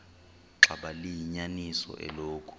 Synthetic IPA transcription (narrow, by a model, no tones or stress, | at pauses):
ǁʱaɓalijiɲanisɔ̰ʔɛ̰loːkʼʰu̥